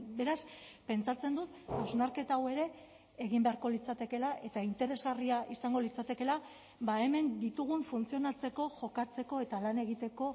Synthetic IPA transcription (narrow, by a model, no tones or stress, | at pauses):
be̞ɾaspe̞nt͡sat͡se̞nd̪ut̪awznaɾke̞t̪awe̞ɾe̞ː | ɣ̞imbe̞aɾko̞lit͡sat̪e̞ke̞laʔe̞t̪aint̪e̞ɾe̞zɣariaʔisaŋɡolit͡sat̪e̞ke̞la | bae̞me̞nd̪it̪uɣ̞uɱfunt͡sio̞nat͡se̞ko̞ʝo̞kat͡se̞ko̞e̞t̪alane̞ɣit̪e̞ko̞